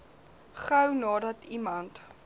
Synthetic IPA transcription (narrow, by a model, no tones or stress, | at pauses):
χəwnɑːdɐtʰimɐnt